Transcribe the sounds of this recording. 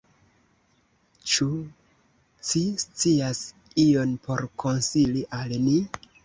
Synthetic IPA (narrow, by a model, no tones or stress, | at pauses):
t͡ʃu | t͡ʃist͡sias | io̞npo̞ɾkʰo̞nsiliʔalni